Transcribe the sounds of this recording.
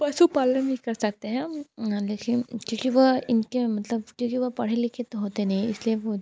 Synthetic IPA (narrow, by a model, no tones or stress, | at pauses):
pɐʃupaːləbʱikɐɾsɐk̚t̪eɦɛ̃leːkɪnkõːkiʋoɪnkemɐt̪ləbkjõːkiʋopɐɽ̤elɪkʰet̪oɦoːt̪enɐɦĩɪslieʋo